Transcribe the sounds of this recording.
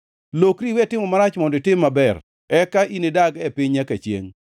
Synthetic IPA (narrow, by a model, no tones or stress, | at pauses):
lokɾiwɛtɪmɔmaɾat͡ʃmɔndɪtɪmːabɛr | ɛkaʔinedaɡɛpɪɲakat͡ʃjḛŋ